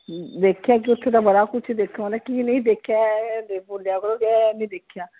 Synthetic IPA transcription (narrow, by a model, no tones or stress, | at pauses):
d̪eːkʰejaːk̬iʊt̪ʰːẽːt̪aːbəɽaːkʊt͡ʃʰd̪eːkʰãːnd̪ɛːkinĩːd̪eːkʰːjaːd̪eboːljaːkəɾoːkɛnə̃iːd̪eːkʰjaː